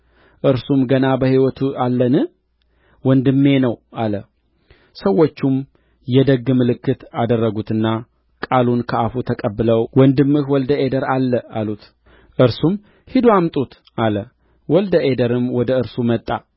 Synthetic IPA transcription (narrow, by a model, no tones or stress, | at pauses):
ʔɨɾsumɡənabəhiwɔt̪ʰualːənɨ | wɔnd̪ɨmːe̞nəwʔalə | səwːot͡ʃːum | jɛd̪əɡːɨmɨlɨkːɨt̪ad̪ərːəɡut̪ɨnːa | kʼalunkʰəafut̪ʰəkʼəbːɨləwwɔnd̪ɨmːɨhwɔld̪əed̪əɾalːəa̰lut̪ | ʔɨɾsum | hid̪oamt̪ʼut̪ | ʔalə | wɔld̪əʔed̪əɾɨmwɔd̪əɨɾsumət̪ʼːa